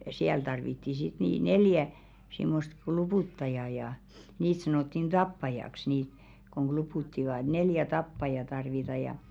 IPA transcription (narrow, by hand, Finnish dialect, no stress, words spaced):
siæl tɑrʋitːi sit niˑ neljæ simːost klupuˑtːɑjɑ jɑ niːt sɑnoˑtːin d̥ɑpːɑjɑks niːt koŋ ɡ̊lupuˑtːiʋɑˑ neljæ tɑpːɑjɑ tɑrʋitɑ jɑ